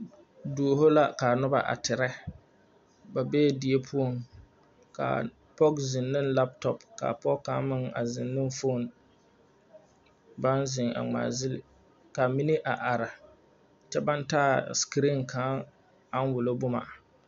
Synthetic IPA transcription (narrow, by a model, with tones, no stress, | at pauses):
du˨ɦo˦la˦ka˨nʊ˦ba̰˨ʔa̰˨tɪ˨ɾɛ˦ | ba˨be˦˨di˨e˦pʰu˦o˨ŋ | ka̰˨ | pɔ˦kzɪ˨nːɨ˦nla˦ptɔ˨pka̰˨pɔ˦ka˨˦mɪ˦ŋa̰˨zɪ˨nːɪ˦n˦fo˦˨n | ba˦nzɪ˨ŋa̰˨ŋ͡ma̰ː˨zɪ˦lɪ˨ | ka˨mi˦ni˦ʔa˨ʔa˨ɾa˨ | t͡ʃɛ˦ba˦n˦taː˦skɾi˦nkʰa˦ | a˦n˦wʊ˨lo˦bʊ˦ma̰˨